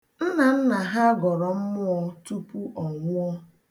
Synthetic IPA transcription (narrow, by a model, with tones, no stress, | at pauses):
n̩˦na˨n̩˦na˨ɦa˦ɡɔ˨ɾɔ˨m̩˦mʊ˦ɔ˦tu˦pu˦ʔɔ˨ŋʷʊ˦ɔ˦